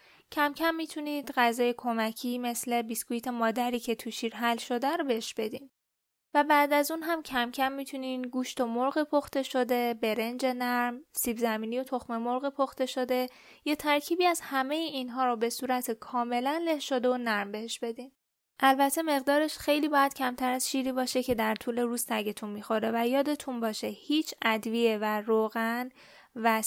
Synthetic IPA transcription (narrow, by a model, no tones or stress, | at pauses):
cʰæmcʰæmːiːt̪ʰuniːd̪̥ɢæzɒːjekʰo̞mæcʰiːme̞sle̞biskuit̪ʰe̞mɒːd̪æɾiːcʰe̞t̪ʰuʃiːɾɦælʃo̞d̪æɾobeheʃb̥e̞d̪im | væbæːd̪æzunɦæmcʰæmcʰæmːiːt̪ʰuninɡuːʃt̪omoɾɣipʰoxt̪e̞ʃod̪e̞be̞ɾe̞nd͡ʒe̞næɾmsiːbzæmiːnijo̞t̪ʰoxmemoɾɣipʰoxt̪e̞ʃod̪e̞ | jet̪ʰæɾcʰiːbiːæzhæme̞jiinɦɒːɾobe̞suːɾæt̪ʰekʰɒːme̞lænle̞hʃod̪e̞onæɾmbe̞he̞ʃbe̞d̪in | ʔælbæt̪ʰe̞me̞ɣd̪ɒːɾe̞ʃxe̞jliːbɒːjæd̪̥cʰæmt̪ʰæɾæzʃiːɾiːbɒːʃe̞cʰe̞d̪æɾt̪ʰuːle̞ɾuːzt̪ʰæɡet̪ʰunmiːxo̞ɾe̞væjɒːd̪e̞t̪ʰunbɒːʃehiːt͡ʃʰæd̪vie̞væɾoɣæn | væ